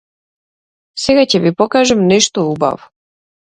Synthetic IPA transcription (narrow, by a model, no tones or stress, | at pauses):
seɡacɛbipokaʒɛmnɛʃt̪ouba̰vu